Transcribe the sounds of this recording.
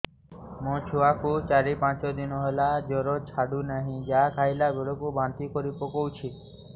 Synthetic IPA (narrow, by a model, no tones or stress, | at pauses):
mɔ̃t͡ʃʰuakut͡ʃaɾipãt͡ʃɔd̪inɔɦelad͡ʒɔɾɔt͡ʃʰaɽunaɦĩd͡ʒakʰajlaɡeɭokubant̪ikɔɾipɔkowt͡ʃʰi